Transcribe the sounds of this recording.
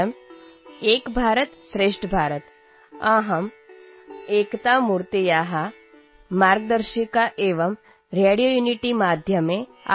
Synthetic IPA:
əm | eːkbʱaːɾət̪sɾeːʂʈəbʱaːɾət̪ | ãɦɐm | eːkt̪amuːɾt̪ejaːɦa | maːɾɡd̪əɾʃikaʔeːʋəm | ɾeːɽijojuːniʈimaːd̪ʱjəmẽ | a̰

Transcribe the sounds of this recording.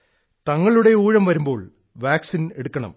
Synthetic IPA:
t̪ɐŋːɐɭuɽe̞uːɻɐmʋɐɾumbo̞ːɭ | ʋaːksineɽukːɐɳɐ̰m

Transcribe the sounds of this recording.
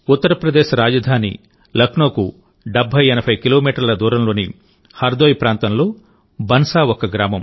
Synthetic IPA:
ut̪ːɐɾɐpɾɐd̪eːʃɐɾaːd͡ʒɐd̪ʱaːnḭ | lɐkʰnoːku | ɖebʱːɐjɛnɐbʰʱɐjkilo̞ːmiːʈɐɾlɐd̪uːɾɐmlo̞ːni | hɐɾd̪oːjpɾaːnt̪ɐmlo̞ː | bʱɐnsaːɔkɐɡɾaːmɐm

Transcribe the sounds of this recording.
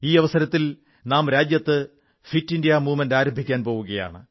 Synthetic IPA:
iːɐʋɐsɐɾɐt̪ːil | naːmɾaːd͡ʑjɐt̪ːɨ | fitːindijaːmuːmɐndaːɾɐmbʱikʲːaːnpo̞ːʋuɣɐja̰ːɳɨ

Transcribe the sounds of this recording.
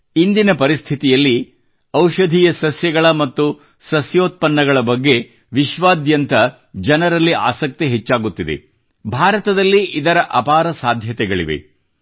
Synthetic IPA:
ind̪inɐpɐɾist̪ʰit̪ijɐlːi | ɐwʃɐd̪ʱiːjɐsɐsjɐɡɐɭɐmɐt̪ːu | sɐsjoːt̪̚pɐnːɐɡɐɭɐbɐɡːe̞ | ʋiʃʋaːd̪jɐnt̪ɐ | d͡ʒɐnɐɾɐlːia̰ːsɐk̚t̪iɦɛt͡ʃːaːɡut̪ːid̪e̞̰ | bʱaːɾɐt̪ɐd̪ɐlːiʔid̪ɐɾɐʔɐpaːɾɐsaːd̪ʱjɐt̪ɛɡɐɭiʋḛ

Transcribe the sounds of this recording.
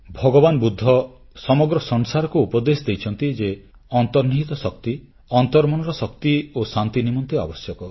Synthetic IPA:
bʱɔɡɔbanɔbud̪ʱːɔ | sɔmɔɡɾɔsɔŋsaɾɔkuupɔd̪esɔd̪ejt͡ʃʰɔnt̪id͡ʒe | ɔnt̪ɔɾniɦit̪ɔsɔkt̪i | ɔnt̪ɔɾmɔɽ̃ɔɾɔsɔk̚t̪iosant̪inimɔnt̪ia̰bɔsjɔkɔ

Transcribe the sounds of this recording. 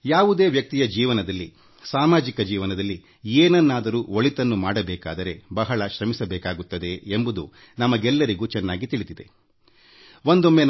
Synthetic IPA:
jaːʋud̪e̞ːʋjɐk̚t̪ijɐd͡ʒiːʋɐnɐd̪ɐlːi | saːmaːd͡ʒikɐd͡ʒiːʋɐnɐd̪ɐlːi | eːnɐnːaːd̪ɐɾuːoɭit̪ɐnːumaːɽɐbɛːka̰ːd̪ɐɾe̞bɐɦɐɭɐʃɾɐmisɐbɛːkaːɡut̪ːɐd̪e̞ːmbud̪ṵ | nɐmɐɡɛlːɐɾiɡuːt͡ʃɛnːaːɡit̪iɭit̪id̪e̞̰ | ond̪omːe

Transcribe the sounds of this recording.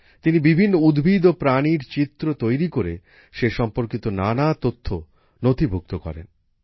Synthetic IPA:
t̪inibibʱinːoud̪bʱid̪opɾaniɾt͡ɕit̪ːɾot̪ojɾikoɾe | ʃeʃɔmpoɾkit̪onanat̪ot̪ʰːo | not̪ibʱuk̚t̪okɔ̰ɾḛn

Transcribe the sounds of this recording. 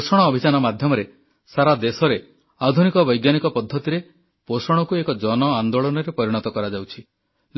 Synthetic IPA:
sɔɽ̃ɔːbʱit͡ʃanɔmad̪ʱjɔmɔɾe | saɾad̪esɔɾe | ad̪ʱunikɔbɔjɡjanikɔpɔd̪ʱːɔt̪iɾe | posɔɽ̃ɔkuekɔd͡ʒɔnɔand̪oɭɔnɔɾepɔɾiɽ̃ɔt̪ɔkɔɾad͡ʒawt͡ʃʰi

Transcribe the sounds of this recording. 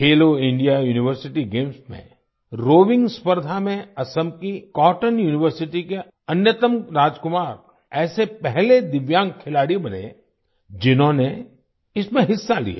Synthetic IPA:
heːloɪ̃ɳɖijajuːnɪʋəɾsɪʈiɡeːmsmḛ̃ | ɾoːʋɪ̃ŋɡspəɾd̪ʱamẽɐsəmkikɔːʈənjuːnɪʋəɾsɪʈike | ɐnjət̪əmɾaːd͡ʒkʊmaːɾ | ɛːsepɛɦled̪ɪʋjãːŋkʰɪlaːɽibɐnḛ | d͡ʒɪnɦõne | ɪsmẽɦɪsːalḭa̰

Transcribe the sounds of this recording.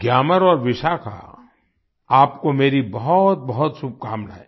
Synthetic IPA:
ɡjaːməɾɔːɾʋɪʃaːkʰa̰ | aːpkomeːɾibɐɦʊt̪̚bɐɦʊt̪sub̚kaːmna̰ːɦeː

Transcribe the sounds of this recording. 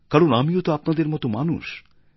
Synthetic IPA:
kaɾonamiot̪oapnad̪eɾmɔt̪omanṵʃ

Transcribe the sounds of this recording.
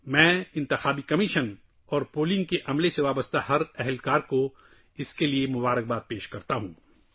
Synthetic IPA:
mɛ̃ːɪ̃nt̪ɪxaːbikɐmiːʃən | ɔːɾpoːlɪ̃ŋɡ̚keʔɐmleseʋaːbəst̪ahɐɾɛɦɛlkaːɾko | ɪskeliemʊbaːɾək̚baːt̪̚peːʃkɐɾt̪aɦũː

